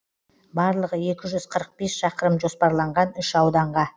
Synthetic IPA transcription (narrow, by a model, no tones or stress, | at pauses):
bɑɾlˠəʁəe̞kʲɪʒʏz̥qʰəɾəq̚be̞sʃɑqəɾəmʒo̞spɑɾlˠɑɴʁɑnʏʃɑwd̪ɑɴʁɑ